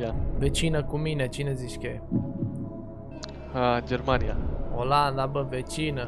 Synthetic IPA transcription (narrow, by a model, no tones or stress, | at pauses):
avet͡ʃinəkuminet͡ʃineziʃkʲe | d͡ʒeɾmanijaoland̪abəvet͡ʃinə